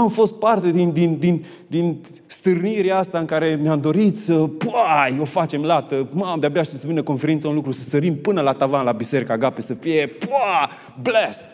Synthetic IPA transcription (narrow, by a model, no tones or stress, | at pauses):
amfo̞st̪̚part̪e̞d̪ind̪ind̪in | d̪in | st̪ɨrniɾeaast̪aɨŋkaɾe̞mjamd̪o̞ɾit̪səpajo̞fat͡ʃe̞mlat̪əmad̪eabeaʃt̪isəvinəko̞nfe̞ɾint̪saunlukɾusəst̪əɾimpɨnəlat̪avanlabise̞ɾikaɡapesəfije̞pa | blest̪